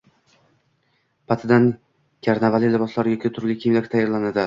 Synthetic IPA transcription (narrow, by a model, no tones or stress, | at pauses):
pʰat̪ʰɪd̪an | kʲʰaɾnavalɪlɪbɒslaɾjʲɒkʲʰit̪ʰʊɾlʲɪkʲʰemlakʲt̪ʰajːaɾlanad̪ɪ